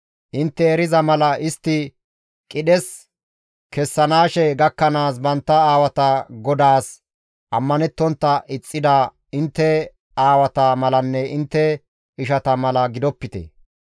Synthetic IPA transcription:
ʔɪnt̪ːɛːɾɪzɐmɐlɐʔɪst̪ːɪ | kʼɪɗɛs | kɛsːɐnaːʃɛɡɐkːɐnaːs̬bɐnt̪ːɐaːwɐt̪ɐɡɔd̪aːs | ʔɐmːɐnɛt̪ːɔnt̪ːɐʔɪt͡sʼːɪd̪a | ɪnt̪ːɛ | aːwɐt̪ɐmɐlɐnːɛʔɪnt̪ːɛ | ɪʃɐt̪ɐmɐlɐɡɪd̪ɔpːɪt̪ɛ̰

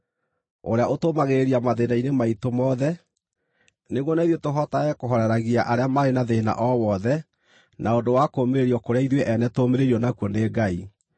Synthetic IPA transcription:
o̰ɾeaʔotomaɣeɾiamaðenainemaitomɔðɛ | neɣwɔnaiðwetoɦɔtaɣɛkoɦɔɾɛɾaɣiaʔaɾeamaɾenaðena̰ʔɔwɔðɛ | naodowakoːmeɾeɾiɔkoɾeaiðweʔɛnɛtomeɾeɾiɔnakwɔneːɡai

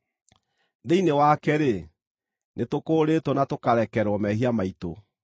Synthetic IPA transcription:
ðeinewakɛɾe | nʔetokoːɾetɔnatokaɾɛkɛɾwɔmɛɦiamaito

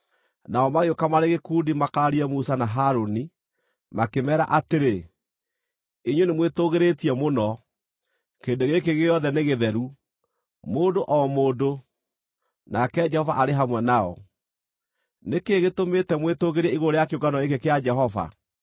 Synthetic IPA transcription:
naɔmaɣeokamaɾeɣekuːdimakaɾaɾiɛmusanaɦaɾoni | makemɛːɾa̰ʔateɾe | eɲwenemwetoɣeɾetiɛmonɔ | keːndoɣekeɣeɔðɛneɣeðɛɾu | moːndoʔɔmoːdo | nakɛd͡ʒɛhɔvaʔaɾeɦamwɛnaɔ̰ | nekeɣetometɛmwetoɣeɾɛiɣooɾejakeoɡanɔekekead͡ʒɛɦɔva̰

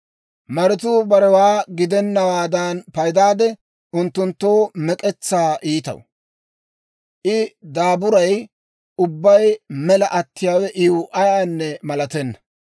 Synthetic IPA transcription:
mɐɾɪt̪̬uːbɐɾɛwaːɡɪd̪ɛnːɐwaːd̪aːnpɐjd̪aːd̪ɛ | ʊnt̪ːʊnt̪ːo̞ːmɛkʼɛt͡sːaːʔiːt̪ɐ̰w | ʔɪd̪aːbʊɾɐj | ʊbːɐjmɛlɐʔɐt̪ːɪjaːwɛʔɪwʔɐjaːnːɛmɐlɐt̪ɛnːɐ̥

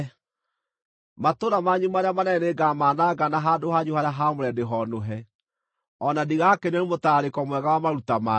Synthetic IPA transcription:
matoɾamaɲumaɾeamanɛɛneɡamaːnaɡanaɦadohaɲuhaɾeaɦamoɾɛdeɦɔnoɦɛ | ɔnadiɣakeneɾemotaɾekɔmwɛɣawamaɾutama

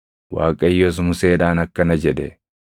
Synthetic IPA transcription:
wa̰ːkʼɐjːoːs̬mʊseːᶑaːnɐkːɐnɐd͡ʒɛᶑɛ

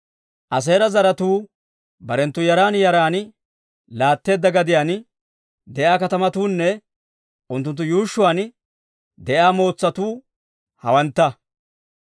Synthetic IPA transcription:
ʔɐs̬e̞ːɾɐzɐɾɐt̪uː | bɐɾɛnt̪ːʊjɐɾaːnjɐɾaːn | laːt̪ːe̞ːd̪ːɐɡɐd̪ɪjaːn | d̪ɛjaːkɐt̪ɐmɐt̪uːnːɛ | ʔʊnt̪ːʊnt̪ːʊjuːʃːʊwaːn | d̪ɛʔaːmo̞ːt͡sːɐt̪uː | hɐwɐnt̪ːɐ

